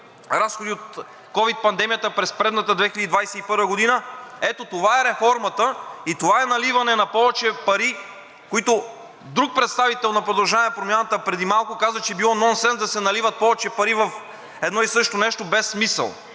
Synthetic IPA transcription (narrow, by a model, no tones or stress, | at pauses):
ɾasxod̪iot̪ | kɔvit̪̚pɐnd̪ɛmijət̪əpɾɛspɾɛd̪nət̪əd̪vɛxilʲəd̪id̪vajsɛipɤɾvəɡod̪inəɛt̪ot̪ovaɛɾɛfɔɾmɐt̪əit̪ovaɛnɐlivɐnɛnɐpɔvɛt͡ʃɛpɐɾi | koit̪o | d̪ɾuk̚pɾɛt̪st̪avit̪ɛlˠnɐpɾod̪ɐlˠʒanɛpɾomʲjanət̪əpɾɛd̪imalˠkʊkazvət͡ʃɛɛbilˠɔnɔnsɛnzd̪ɐsɛnɐlivɐt̪̚pɔvɛt͡ʃɛpɐɾivɐf | ɛd̪nɔisɤʃt̪onɛʃt̪obɛsːmisə̰lˠ